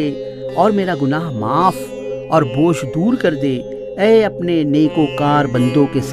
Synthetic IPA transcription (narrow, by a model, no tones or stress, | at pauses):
e | ɔːɾmeːɾaɡʊnaːɦmaːf | ɔːɾboːʃd̪uːɾkɐɾd̪eː | ɛːɐpneneːkokaːɾbɐ̃nd̪õkes